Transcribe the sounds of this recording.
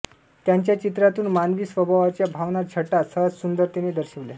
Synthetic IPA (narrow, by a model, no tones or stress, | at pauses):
t̪jaɲt͡ɕjat͡ɕit̪ɾat̪uːnmanʋiːsʋəbʱaʋat͡ɕjabʱaʋnaɾt͡ɕʰəʈːasəsund̪əɾt̪ined̪əɾɕəʋla